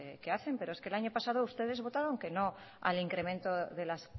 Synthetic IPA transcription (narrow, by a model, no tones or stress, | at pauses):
keaθe̞mpeɾoeskelaɲopasað̞oust̪e̞ð̞e̞zβo̞t̪aɾoŋkeno | a̰liŋkɾe̞mẽnt̪oðelas